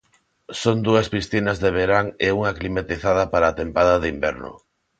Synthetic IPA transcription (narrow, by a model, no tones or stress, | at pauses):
sond̪uɐspisθinɐzðeβeɾaŋeuŋaklimat̪iθað̞ɐpaɾaːt̪empaðɐðimbɛ̰ɾnʊ̰